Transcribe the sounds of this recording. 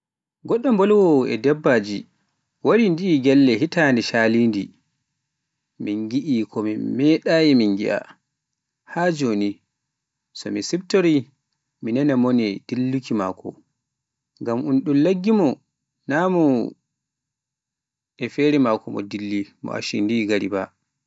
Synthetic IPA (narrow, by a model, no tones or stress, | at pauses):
ɡɔɗːɔmbɔlwɔɛ̰dɛbːad͡ʒi | waɾindiːɡɛlːɛɦitandɛʃaliːndḭ | minɡiʔikʰɔmimɛɗajɛminɡiʔa̰ | had͡ʒoːni | sɔmisibtoɾi | minɛnɛmɔnɛd̥ilːukima̰ːkɔ̰ | ŋɡamʔunɗunlaɡːimɔ | namɔ | ɛfɛɾɛmakɔmɔ̰dilːimɔ̰ʔa̰ʃḭndiɡaɾḭba